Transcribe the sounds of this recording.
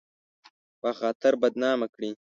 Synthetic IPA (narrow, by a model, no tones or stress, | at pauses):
pəxɑːt̪ɪɾbɐd̪nɑːmakɽi